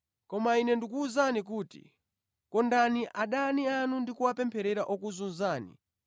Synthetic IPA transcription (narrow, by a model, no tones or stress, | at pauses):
kɔmainɛndikuːzanik̬uːtḭ | kɔndaniʔaɗanianundikuwapɛmpʰɛɾɛɾaʔɔkuzunzaːnḭ